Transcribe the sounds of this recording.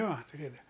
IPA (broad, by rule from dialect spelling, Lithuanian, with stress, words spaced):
ˈjoː tʊˈrʲeːdɐʋɐ